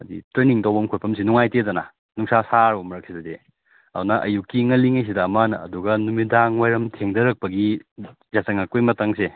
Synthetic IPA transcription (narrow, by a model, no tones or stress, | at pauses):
ɐdḭtɾeniŋtawbɐmkʰopʰɐmsinuŋajtedɐnɐ̰ | nuŋsasaɾomɐɾɐk̚sidɐde | ɐdunɐʔɐ̰jukiŋɐliŋɐjs̬idɐːmanɐɐduɡɐnumidaŋwajɾɐmtʰeŋdɐɾɐk̚pɐɡi | zasɐŋɐkojmɐtaŋse